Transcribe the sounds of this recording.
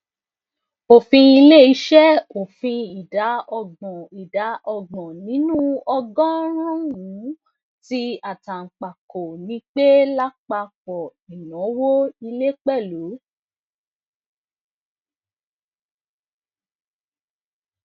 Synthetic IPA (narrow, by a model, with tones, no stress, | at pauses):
o˨fĩ˧i˧le˦i˧˦ʃɛ˦o˨fĩ˧i˨da˨˦ɔ˧ɡ͡bɔ̃˨i˨da˨˦ʔɔ˧ɡ͡bɔ̃˨nĩ˨˦nũ˦ɔ˧ɡɔ̃˦ɾ̃ɔ̃˦wũ˨˦ | ti˦a˨ta˨ŋ̩˨k͡pa˨ko˨nĩ˨˦k͡pe˦la˦k͡pa˧fɔ˨i˨nɔ̃˨˦wo˦i˧le˦k͡pɛ˦˨lu˨˦